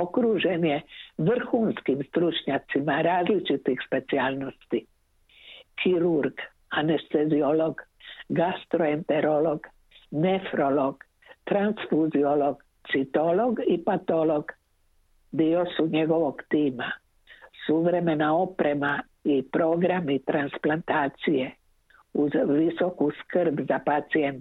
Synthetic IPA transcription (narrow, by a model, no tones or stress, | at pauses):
okɾuːʒenjeʋr̩xuːnskimst̪ɾut͡ʃɲat̪simaɾaːzlit͡ʃit̪ixspe̞t̪siaːlˠnost̪i | kʰiɾuɾɡ | anest̪ezioloɡɡast̪ɾoent̪eɾoloɡ̥ | nefɾoloɡ̥ | t̪ɾansfuzioloɡ̥ | t̪sit̪olo̞ɡipat̪oloɡ | d̪iosuɲe̞ɡo̞ʋo̞ɡt̪iːma | suʋɾe̞me̞nao̞pɾema | ipɾo̞ɡɾamit̪ɾansplant̪aːt̪sije | uzʋiso̞kuskrbzapat̪sient̪